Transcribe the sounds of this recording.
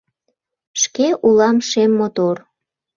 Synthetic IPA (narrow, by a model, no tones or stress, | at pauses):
ʃkeʔulɑmʃemːot̪or